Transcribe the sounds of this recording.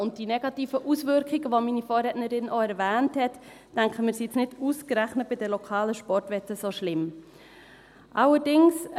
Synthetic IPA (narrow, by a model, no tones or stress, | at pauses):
ʊnt̚d̥inɛɡ̥ɑtiːfəʔusvʏɾkʰiɡəʋominifoːɾɛtnəɾɪnʔoɛɾvæːnthɛtː | æŋkχəmɪːɾsisnɪduskɾæχnət̚b̥ɪdɛlɔkʰɑːləʃpɔɾtʋɛtəsoʃlɪm | ʔɑləɾdɪŋs